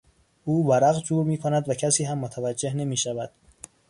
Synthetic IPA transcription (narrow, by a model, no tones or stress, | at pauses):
ʔuːvæɾæɣd͡ʒuːɾmiːkʰonæd̪væcʰæsiːɦæmːot̪ʰævæd͡ʒːehne̞miːʃævæd̪̥